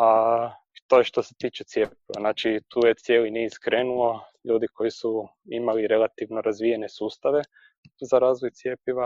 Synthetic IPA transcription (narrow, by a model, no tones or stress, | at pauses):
a | t̪o̞jeʃt̪o̞se̥t̪iːt͡ʃet̪sjepiʋa̰naːt͡ʃit̪ʰuːjet̪sje̞ːliniskɾeːnuo̞ʎuːd̪iko̞jisu | imaliɾe̞lˠat̪iʋnoɾazʋijenesuːst̪aʋe̞ | zaɾaːzʋojt̪sje̞piʋa